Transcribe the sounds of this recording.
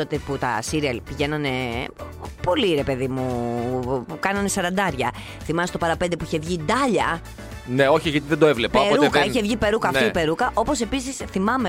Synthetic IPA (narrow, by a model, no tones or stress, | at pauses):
ot̪eput̪ɐ̰siɾiɐlpiʝe̞nɐne | po̞liɾe̞pe̞ðimu | kɐnɐne̞sɐɾɐnd̪ɐɾʝɐ | θimɐst̪opɐɾɐpe̞nd̪epuiçe̞vʝid̪ɐʎɐ | neo̞çiʝɐt̪iðend̪oevlepɐeɾɾukɐiçevʝipe̞ɾukɐːfipe̞ɾukɐʔo̞po̞se̞pisisθimɐme